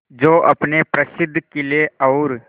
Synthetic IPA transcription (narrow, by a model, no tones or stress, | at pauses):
d͡ʒoːʔɐpnepɾəsɪd̪ʱːkelieɐʊɾ